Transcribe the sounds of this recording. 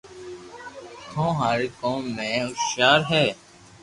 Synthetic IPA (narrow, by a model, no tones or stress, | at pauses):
hʰõːɦaːɾkõːmːẽːʊʃaːɾɦɛː